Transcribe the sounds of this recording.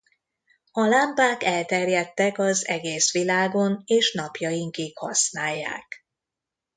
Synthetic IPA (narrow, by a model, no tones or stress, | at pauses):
ɒlampaːkɛlt̪ɛrjɛt̪ːɛkɒzɛɡeːsʋilaːɡo̞neːʃnɒpjɒjiŋkikhɒsnaːjːa̰ːk